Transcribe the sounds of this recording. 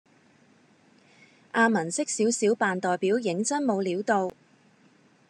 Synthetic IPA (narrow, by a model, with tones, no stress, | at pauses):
ʔaː˧mɐ˨˩nsɪ˥k̚siː˨˥wsiː˨˥wpaː˨nt̪ɔː˨jpiː˨˥wjɪ˨˥ŋt͡sɐ˥nmo˨˧wliː˨˥wt̪o˧w